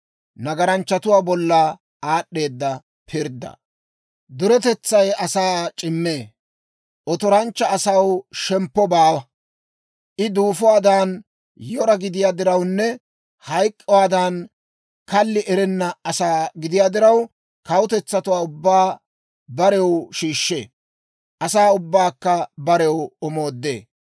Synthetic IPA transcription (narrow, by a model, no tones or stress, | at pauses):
nɐɡɐɾɐnt͡ʃːɐt̪ʊwaːbɔlːɐ | aːɗːe̞ːd̪ːɐ | pʰɪɾd̪ːɐ̰ | d̪ʊɾɛt̪ɛt͡sːɐjɐsaːt͡ʃʼɪmːeː | ʔɔt̪ɔɾɐnt͡ʃːɐːsɐwʃɛmpːɔbaːwɐ | ʔɪd̪uːfʊwaːd̪aːn | jɔɾɐɡɪd̪ɪjaːd̪ɪɾɐwnːɛ | hɐjkʼːɔwaːd̪aːn | kɐlːɪʔɛɾɛnːɐɐsaːɡɪd̪ɪjaːd̪ɪɾɐw | kɐwʊt̪ɛt͡sːɐt̪ʊwaːʊbːaː | bɐɾɛwʃiːʃːḛː | ʔɐsaːʊbːaːkːɐbɐɾɛwɔmo̞ːd̪ːḛː